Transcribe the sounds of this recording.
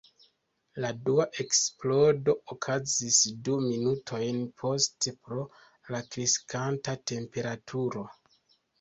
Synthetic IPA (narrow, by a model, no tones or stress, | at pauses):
laduaʔe̞ksplo̞do̞ʔokʰazisduminutʰo̞jnpʰo̞stepɾo̞ | lakɾiskʰantate̞mpe̞ɾatʰuɾo̞